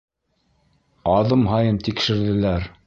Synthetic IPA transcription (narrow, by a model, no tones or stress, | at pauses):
ɑðɤmɦɑjɤmt̪ikʃɘ̆ɾðɘ̆læɾ